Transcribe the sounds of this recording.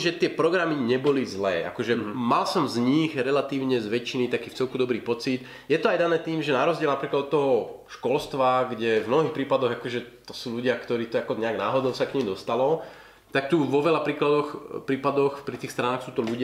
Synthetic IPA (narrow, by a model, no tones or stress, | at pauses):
ʒɛt̪ɪɛpɾɔɡɾamiɲɛbɔlizlɛ̰ːʔa̰kɔʒɛmalsɔmzɲiɣɾɛlat̪iːʊɲɛzʋɛt͡ʃinit̪akiːft͡sɛlkud̪ɔbɾiːpɔt͡sit̪ | jɛt̪ɔajd̪anɛːt̪iːmʒɛnaɾɔzɟɪɛlnapɾiːklad̪ɔt̪ːɔɦɔʃkɔlst̪ʋaɡɟɛvmnɔɦiːxpɾiːpad̪ɔɣakɔʒɛt̪ɔ̥suːluɟɪakt̪ɔɾiːt̪ɔakɔɲɛaɡnaːɦɔd̪ɔʊsakɲimd̪ɔst̪alɔ | t̪ak̚t̪uʋɔʋɛlapɾiːklad̪ɔxpɾiːpad̪ɔxpɾit̪iːxst̪ɾanaːxsuːt̪ɔʎuɟɪ